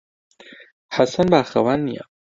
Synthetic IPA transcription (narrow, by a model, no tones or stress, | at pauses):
ħasɐnbaːxɐwanːija̰